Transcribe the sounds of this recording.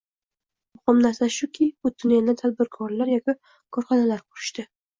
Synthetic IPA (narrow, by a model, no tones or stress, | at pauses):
mʊχɒmnaɾsaʃʊkʲʰɪbʊd̪ʊnjad̪at̪ʰad̪̚bɪɾkʰɒɾlaɾjɒkʲɪ | kʰɒɾχɒnalaɾqʰʊɾɪʃt̪ɪ